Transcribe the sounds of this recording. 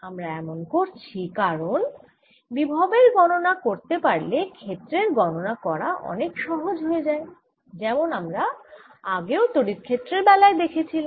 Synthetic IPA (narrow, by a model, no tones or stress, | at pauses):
amɾaɛmonkoɾt͡ɕʰikaɾon | bibʱabeɾɡɔnonakoɾt̪epaɾlekʰet̪ːɾeɾɡɔnonakɔɾa̰ʔɔ̰nekʃɔɦod͡ʑɦoed͡ʑae | d͡ʑɛmonamɾaaɡeot̪oɽiɾkʰet̪ːɾeɾbɛlaed̪ekʰet͡ɕʰila